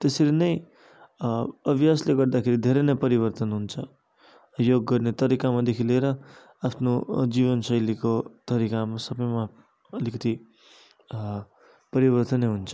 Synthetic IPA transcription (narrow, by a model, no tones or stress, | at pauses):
t̪esʌɾinʌj | ʌbʱjasleɡʌɾd̪akʰeɾid̪ʱeɾenʌjpʌɾibʌrt̪ʌnɦunt͡sʰʌ | joɡːʌrnet̪ʌɾikamad̪ekʰileɾʌ | apʰnod͡ziβʌnsʌjlikot̪ʌɾikamasʌbʌjma | ʌlikʌt̪i | pʌɾibʌrt̪ʌneɦunt͡sʰʌ̥